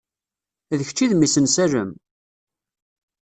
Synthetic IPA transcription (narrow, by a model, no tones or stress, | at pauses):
ðəçt͡ʃːiðmisənsærəm